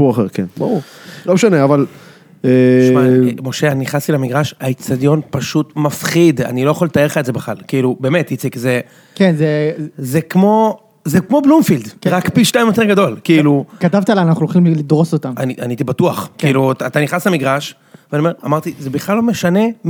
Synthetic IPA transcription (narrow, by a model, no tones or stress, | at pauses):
uaχeʁkenba̰uʁʁomeʃaneaval | eʃmamo̞ʃeaniχnast̪ilamiɡʁaʃait͡sadjo̞npaʃut̪mafχid̪a̰nilo̞jaχolet̪aeχaetzebeχlalkiilube̞ːme̞t̪jit͡sikze | kenzezekmo̞ | zekmo̞blumfild̪ʁakpiʃnaimjot̪̬e̞ʁɡado̞lkiilukat̪avt̪ialajaanaχnulχimlid̪ʁo̞sot̪ama̰niʔa̰nait̪ibatuaχkiiilutat̪aniχnaslamiɡʁaʃ | veaniome̞ʁamaʁt̪izebiχlalːo̞me̞ʃane̞